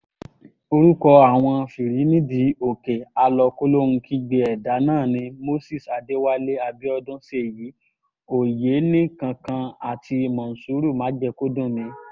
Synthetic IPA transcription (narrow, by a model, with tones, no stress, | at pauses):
o˧ɾu˦kɔ˧a˦˨w̃ɔ̃˧fi˨ɾi˨˦nĩ˦di˨˦o˨ke˨a˧lɔ˧ko˦lo˦ñ̩˧ki˦ɡ͡be˨ɛ˨da˨˦nãː˦˨nĩ˧mo˦si˦˨sa˨de˦wa˦le˦a˧bi˦ɔ˧dʊ̃˦se˦˨ji˨˦ | o˨je˨˦nĩ˦kã˧kã˧a˨ti˧mã˨n̩˨su˨˦ɾu˦˨mãː˨˦d͡ʒɛ˧ko˦dũ˦˨mĩ˧˦